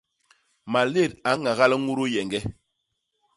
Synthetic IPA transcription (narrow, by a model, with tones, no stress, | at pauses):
ma˨le˦˨ta˨˦ŋa˨ɣa˦lə˦ŋu˦ɾo˦jɛ˨ŋɡɛ˦